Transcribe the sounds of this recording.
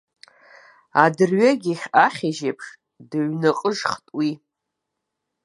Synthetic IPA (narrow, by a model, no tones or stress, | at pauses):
adɨrɥaɡʲiχʲaχʲeʒepʰʂ | dɨɥnaqʼəʐχtʼwi